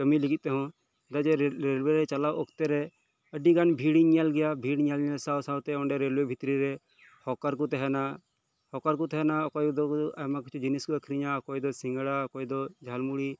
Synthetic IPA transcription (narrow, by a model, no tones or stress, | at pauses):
kəmilikit̪ːeɦɔ̃ | d̪ad͡ʒeɾɾelweɾɛt͡ʃəlaːwɔkt̪eɾɛ | əɖiɡanbʱiːɽiɲalɡɪjabʱiːɽɲalɲalsawsawt̪eɔɳɖeɾelwebʱit̪ɾiɾe | hɔkaɾk̬ut̪ɛɦɛna | hɔkaɾkut̪ɛɦɛnakɔjd̪ɔamakt͡ʃʰud͡ʒiniskuəkʰɾiɲakɔid̪ɔsɪŋɡəɽakoid̪ɔd͡ʒʱaːlmuɽi